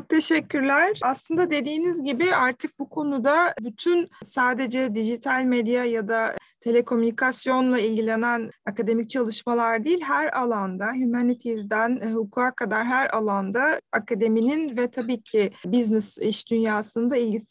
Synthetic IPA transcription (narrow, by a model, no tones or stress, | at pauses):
ok̚t̪ʰe̞ʃɛcʰːyɾlʲæɾ̥aslˠɯnd̪ad̪e̞d̪iːnizɟibɪaɾt̪ʰɯk̚bukʰo̞nud̪abyt̪ʰynsaːd̪e̞d͡ʒɛd̪iʒit̪ʰalʲmed̪jajad̪at̪ʰe̞lʲekʰo̞mynikʰasjo̞nlˠailʲɟilʲe̞nænakad̪e̞mic̚t͡ʃʰalˠɯʃmalˠaɾd̪ijilʲɦæɾalˠand̪aɦymanit̪ʰizd̪ænhukʰuakʰad̪aɾɦæɾalˠand̪aakʰad̪e̞mininvɛt̪ʰabiːcʰɪbiznɛsiʃd̪ynjaːsɯnd̪ailʲɟis